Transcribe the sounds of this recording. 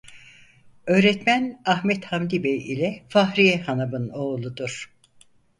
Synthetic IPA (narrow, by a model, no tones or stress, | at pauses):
øːɾɛt̪mænahmɛt̪hamd̪ibɛjḭlʲɛfahɾijɛhanabɯno̞ːlˠud̪uɾ̥